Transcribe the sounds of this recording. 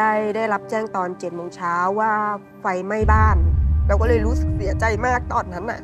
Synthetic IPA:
a˥˩jdaː˥˩jla˦˥p̚t͡ɕɛː˥˩ŋt̪ɔː˧nt͡ɕe˨˩t̪̚moː˧ŋt͡ɕʰaː˦˥wːaː˥˩ | fa˧jma˥˩jbaː˥˩nɾɛ˦˥kɔː˥˩lɤː˧˩jɾuː˦˥sɯ˨˩k̚si˨˩˦ɐt͡ɕa˧jmaː˥˩k̚t̪ɔː˧˩nːa˦˥nːa̰˧˩ʔ

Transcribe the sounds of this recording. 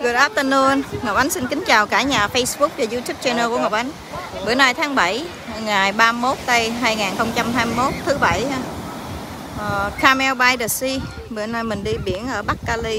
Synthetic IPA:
ɡɨ˨˩t̚ʔaː˦˥t̪ə˧nu˧ənŋɔ˨˩p̚ʔa˨˦ŋsi˧nkï˨˦ŋ̟t͡ɕaː˨˩wkaː˧˩ɲaː˨˩fə˧jsɓʊ˦˥k͡p̚vaː˨˩zu˧t̪ʰu˦˥p̚t͡ɕɛ˧nɛː˧ku˧˩əŋɔ˨˩p̚ʔa˨˦ŋ | ɓɨ˨˩naː˧jt̪ʰaː˨˦ŋɓə˧˩j | ŋaː˨˩jɓaː˧mo˦˥t̚t̪ə˧jɦaː˧jŋaː˨˩nxə˧wŋ͡mt͡ɕa˧mɦaː˧jmi˧mo˦˥t̚t̪ʰɨ˨˦ɓa˧˩j | ʔə˨˩kʰaː˧mɛ˧wɓaː˧jɗə˨˩si˧ | ɓɨ˨˩ənaː˧jmï˨˩ŋ̟ɗi˧ɓi˧˩ənʔəː˧˩ɓa˦˥k̚kaː˧li˧

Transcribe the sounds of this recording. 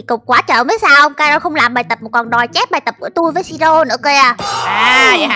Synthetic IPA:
i˨˩kə˨˩k͡p̚kwaː˨˦t͡ɕə̰ː˧˨˩mə˨˦jsaː˧wʔə˧wŋ͡mkaː˧jɾɔ˧xə˧wŋ͡mlaː˨˩mɓaː˨˩jt̪ə˨˩p̚mə˨˩kɔ˨˩nɗɔ˨˩jt͡ɕɛ˦˥p̚ɓaː˨˩jt̪ə˨˩p̚kṵ˧˥ət̪u˧jvəː˨˦jsi˧zo˧nɨ̰˧˥əke˧a˧˩aː˨˩˧

